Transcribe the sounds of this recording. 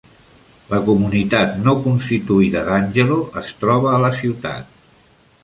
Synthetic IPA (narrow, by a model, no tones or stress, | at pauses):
ləkumunit̪at̪nokunst̪it̪uiðəðanʲʒəloʔəst̪ɾɔβ̞əːləsiwt̪a̰t̪̚